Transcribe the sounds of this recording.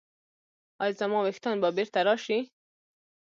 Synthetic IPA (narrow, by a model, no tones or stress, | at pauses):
ɑjzamɑwext̪ɑnbɑbeɾt̪aɾɑʃi